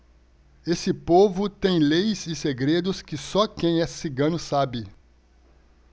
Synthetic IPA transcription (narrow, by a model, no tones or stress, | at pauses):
esɪpovʊt̪ẽj̃lejzɪseɡɾed̪ʊskɪsɔkẽj̃ɛsɪɡɐ̃nʊsabɪ